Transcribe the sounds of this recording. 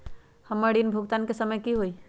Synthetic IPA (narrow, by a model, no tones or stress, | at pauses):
həmːəɾɖinbʱuɡt̪ankesəməjkiɦoj